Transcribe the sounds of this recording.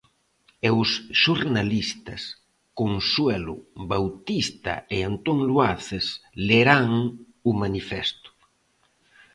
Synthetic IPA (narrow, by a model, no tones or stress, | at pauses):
ewsʃuɾnalist̪a̰s | konswɛlṵβawt̪ist̪a̰eant̪oŋlwaθesleɾaŋ | umanifɛst̪ʊ̥